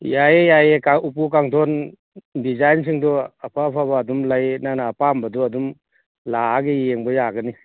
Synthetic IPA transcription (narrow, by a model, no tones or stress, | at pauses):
jajejajekaupukaŋtʰɔn | dizajns̬ʰiŋdɔapʰapʰabaːdumlajnanapambɐdɔɐdum | laaɡijeŋbɐjaɡɐni